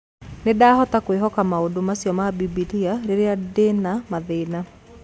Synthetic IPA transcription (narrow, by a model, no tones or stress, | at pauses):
nedahɔtakweɦɔkamaodomasjɔmabibitiaɾeɾeadenamaðena